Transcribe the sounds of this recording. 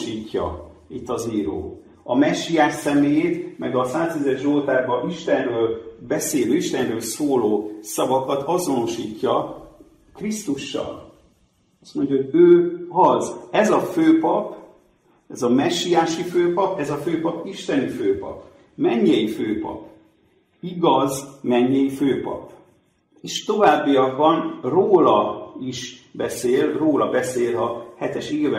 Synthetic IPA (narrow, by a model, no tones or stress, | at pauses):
iːcːɒ̰ | it̪ːɒziːɾo̰ː | ɒmɛʃːijaːʃsɛmeːt̪mɛɡɒsaːst̪izɛʃʒolt̪aːrbɒʔiʃt̪ɛnrøːlbɛseːløːiʃt̪ɛnrøːlsoːloːsɒvɒkɒt̪ɒzo̞no̞ʃiːcːɒ | krist̪uʃːɒ̰l | ɒst̪mo̞ɲɟjɒɦoɟøːɦɒzɛzɒføːpɒp | ɛzɒmɛʃːijaːʃiføːpɒpɛzɒføːpɒpiʃt̪ɛniføːpɒ̰p | mɛɲːɛjiføːpɒ̰p | iɡɒzmɛɲːɛjiføːpɒ̰p | eʃt̪o̞vaːbːijɒɡ̚bɒnroːlɒiʃbɛseːlroːlɒbɛseːlɒhɛt̪ɛʃivɛ